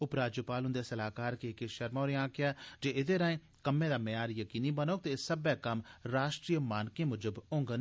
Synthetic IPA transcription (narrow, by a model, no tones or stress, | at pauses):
ʊpɾaːd͡ʒupaːlɦʊ̃nd̪eːsəlaːkaːɾkekeʃəɾmaoːɾeãːkɪjaːd͡ʒeːɪd̪eːɾãːẽː | kəmːẽːd̪aːmejaːɾjəkiːniːbənoːk̚t̪eːsəbɛːkəmɾaːʃʈɾiːjəmaːnkẽːmʊd͡ʒəbʊ̃ŋɡən